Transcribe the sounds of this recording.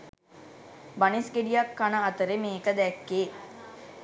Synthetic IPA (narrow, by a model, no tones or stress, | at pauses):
bɐnisɡeɖijɐkːanɐːt̪əɾemeːkəd̪ɛkːeː